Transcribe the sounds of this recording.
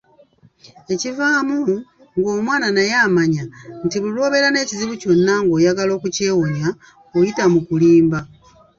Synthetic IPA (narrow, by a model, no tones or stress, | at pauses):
e̞civaːmu | ŋɡo̞ːmwaːnanajaːmaɲantiβulo̞ːβe̞ɾane̞ːciziβuco̞nːaŋɡo̞ːjaɡalo̞ːkuce̞ːwonja | ojitamukuliːmba